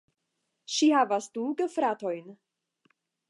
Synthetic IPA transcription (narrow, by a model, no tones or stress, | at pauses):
ʃihaːvastuɡəfɾaːtojn